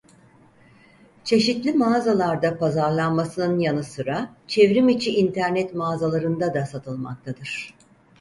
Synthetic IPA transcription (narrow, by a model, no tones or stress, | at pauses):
t͡ʃʰe̞ʃit̪lʲimaːzalˠaɾd̪apazaɾlˠanmasɯnɯnjanɯsɯɾat͡ʃʰevɾimit͡ʃʰiʔːnt̪ʰæɾnɛt̪maːzalˠaɾɯnd̪ad̪asat̪ʰɯlˠma̰k̚t̪ʰad̪ɯɾ̥